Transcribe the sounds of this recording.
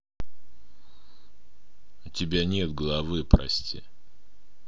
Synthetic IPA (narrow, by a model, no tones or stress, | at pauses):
ʊtʲɪbʲanʲe̞t̪̚ɡəlˠɐvɨpɾɐ̰sʲtʲḭ